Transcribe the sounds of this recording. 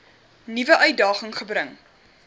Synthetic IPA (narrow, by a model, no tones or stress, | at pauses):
nivəʔœɥt̚dɑːχəŋχəbɾəŋ